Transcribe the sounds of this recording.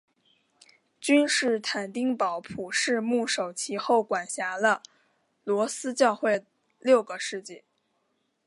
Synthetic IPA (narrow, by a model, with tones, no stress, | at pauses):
t͡ɕy˥nʂɻ̩˥˩t̪ʰa˨˩nt̪i˥ŋpɑ˧˥ʊpʰu˨˩ʂɻ̩˥˧mu˥˩ʂo˨˩ʊt͡ɕʰi˧˥xo˥˩ʊkwa˨˩nɕja˧˥lə˧ | lwɔ˧˥sɹ̩˥t͡ɕjɑ˥˧ʊxwe˥˩ɪ | ljo˥˩ʊɡə˩ʂɻ̩˥˧t͡ɕi˥˩